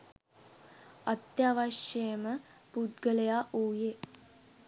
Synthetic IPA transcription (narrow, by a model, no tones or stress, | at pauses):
ɐt̪jaːʋɐʃjejmə | pud̪ɡəlɐjaːʔuːje